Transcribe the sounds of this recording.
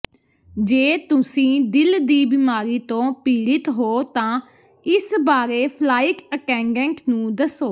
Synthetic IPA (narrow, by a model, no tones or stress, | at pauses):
d͡ʒeːt̪ʊsĩːd̪ɪld̪iːbɪmaːɾiːt̪õːpiːɽɪt̪ɦoːt̪ãː | ɪsbaːɾeːpʰlaːɪkəkɛ̃ːŋɡɛ̃ːŋknũːd̪əsoː